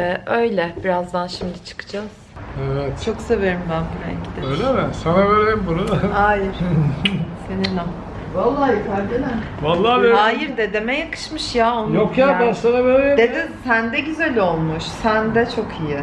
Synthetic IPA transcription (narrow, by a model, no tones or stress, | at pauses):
ɛʔø̞jlʲɛb̥iɾazd̪anʃimd̪it͡ʃʰɯ̥kʰɯ̥d͡ʒaz̥evɛt̪t͡ʃʰo̞kse̞veɾimbænbuɾɛ̰ɲcid̪eøjlʲemɛsanabeɾejimbunuajɪɾ̥ | seninam | valˠːaːjikʰaɾʲd̪enɛ | valˠːaːeaːjiɾd̪ed̪emɛjakʰɯ̥ʃmɯʃjaonjokʰjabasanabeɾejd̪ed̪insænd̪ɛɟyzælʲo̞lˠmuʃsænd̪ɛt͡ʃʰo̞kʰijɪ